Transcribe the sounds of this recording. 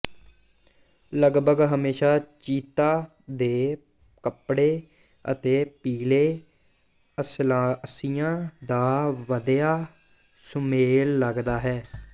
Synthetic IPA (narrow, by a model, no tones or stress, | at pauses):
ləɡbəɡɦəmeːʃaːt͡ʃiːt̪aː | d̪eː | kəpɽeː | ə̰t̪eːpiːleː | əslasijãːd̪aːʋəd̪jaː | sʊmeːlːəɡd̪aːɦɛː